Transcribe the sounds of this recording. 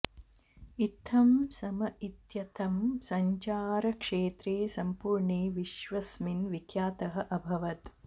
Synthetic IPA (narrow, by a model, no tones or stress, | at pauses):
it̪ʰːɐmsɐmɐʔit̪jɐt̪ʰɐmsɐɲt͡ʃaːɾɐkʂeːt̪ɾeːsɐmpuːɾɳeːʋiʃʋɐsminʋikʰjaːt̪ɐɦɐ̆ʔɐbʱɐʋɐt̪